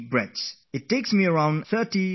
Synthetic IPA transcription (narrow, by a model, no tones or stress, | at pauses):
bɹɛds | ɪtːeːksmiəɹãʊ̃nθɜti